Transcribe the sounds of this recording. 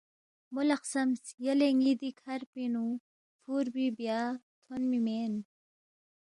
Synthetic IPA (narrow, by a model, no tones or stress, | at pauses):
mulɐqsɐmsjɐleŋiːd̪ikʰɐɾpinu | fuːɾbibjaːt̪ʰonmimeːn